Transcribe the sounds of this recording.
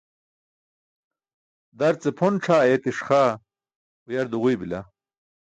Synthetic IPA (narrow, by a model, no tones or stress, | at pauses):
d̪ɐɾt͡sepʰonʈ͡ʂʰaːet̪iʂχa | ujɐɾd̪uʁujbila